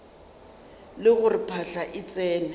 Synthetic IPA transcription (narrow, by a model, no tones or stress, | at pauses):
lɪɣʊripʰaɬaʔɪt͡sʼɛːnɛ